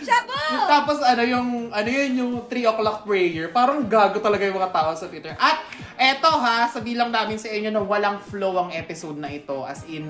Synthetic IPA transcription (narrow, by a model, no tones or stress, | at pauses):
mɐt̪aːposɐnojʊŋʔɐnojonjʊŋt̪ɾiːʔoklɐk̚pɹɛjɛɹpaːɾɐŋɡaːɡot̪ɐlɐɡajʊŋmɐŋat̪aːʔosɐt̪wɪt̪ɛɹʔɐt̪̚ | ʔɛt̪o̞ɦasɐbiːlɐŋnaːmɪnsɐʔɪɲo̞nɐwɐlaŋflowʔɐŋʔɛːpɪsod̪̚nɐʔɪt̪o̞̰ʔɐ̰sɪn